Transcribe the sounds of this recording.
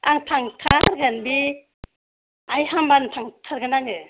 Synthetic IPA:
a̰ŋtʰaŋtʰaɾɡanbi | ajhambantʰaŋtʰaɾɡanaŋɯ

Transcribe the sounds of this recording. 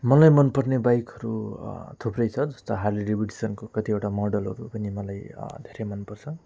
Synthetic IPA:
mʌlajmʌnpʌrnebajkʌɾut̪ʰuprʌjt͡sʰʌd͡zʌst̪oɦarliɾibiʈisʌnkokʌt̪ieʈamʌrɖʌlɦʌ̰ɾupʌnimʌlajd̪ʱeɾemʌnpʌrt͡sʰʌ

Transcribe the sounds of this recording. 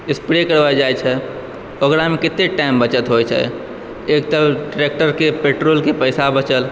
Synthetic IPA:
ɪspɾekəɾbajd͡ʒajt͡ʃʰɛ | okɾamekɪt̪ːeʈaimbət͡ʃət̪ɦojt͡ʃʰɛ̰ | ek̚t̪əʈɾek̚ʈəɾkepeʈɾoːlkepəjsabət͡ʃəl

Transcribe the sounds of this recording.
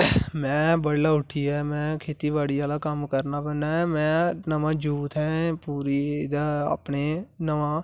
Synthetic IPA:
mɛ̃ːbəɽlaːʊʈʰiːɛːmɛ̃ːkʰeːt̪iːbaːɽiːaːlaːkəmkəɾnaːbənːaːɛːmɛ̃ːnəʋãːd͡ʒuːt̪ɦɛ̃ːpuːɾiːd̪aːa̰ːpneːnəʋãː

